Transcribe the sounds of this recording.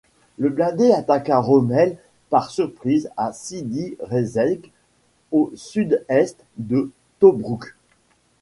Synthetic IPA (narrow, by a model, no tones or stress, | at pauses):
ləblɛ̃d̪eat̪akaʁɔmɛl | paʁsyʁpχizasid̪iʁezɛlɡ | osyd̪ɛst̪ | d̪ə | t̪obʁuk